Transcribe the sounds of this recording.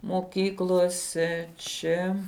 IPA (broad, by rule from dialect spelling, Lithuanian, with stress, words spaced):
moːˈkʲiːklˠoːsʲɛ ˈt͡ʃʲɛ